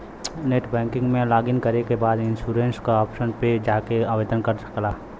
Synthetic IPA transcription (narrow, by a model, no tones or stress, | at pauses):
neːʈbɛ̃ːŋkɪ̃ŋɡmẽlaːɡɪnkɐɾekebaːd̪ɪ̃nsuːɾẽːnskaɔːpʃənped͡ʒaːkeaːʋeːd̪ənkɐɾsɐ̥klaː